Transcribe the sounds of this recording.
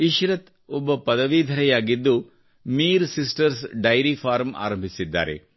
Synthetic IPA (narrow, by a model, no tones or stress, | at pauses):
iʃɾɐt̪ | ɔbːɐpɐd̪ɐʋid̪ʱɐɾɛjaːɡid̪ːu | miːɾsisʈɐɾsɖɐjɾifʰaːɾmʔa̰ːɾɐmbʱisid̪ːa̰ːɾḛ